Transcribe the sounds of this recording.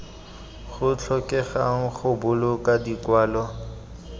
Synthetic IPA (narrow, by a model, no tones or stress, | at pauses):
χʊt͡ɬʰɔkʼɛχa̰ŋ̩χʊbʊlʊkʼadikwaːlɔ